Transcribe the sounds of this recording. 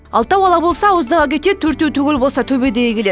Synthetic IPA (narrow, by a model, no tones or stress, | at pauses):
ɑ̰lˠt̪ɑwɑlˠɑbo̞lˠsɑwozd̪əʁɑkʲʰe̞t̪e̞t̪t̪ʰːɵɾt̪ːewt̪ʰʏɡʲɪlbo̞lˠsɑt̪ʰɵbed̪ejekʲʰe̞le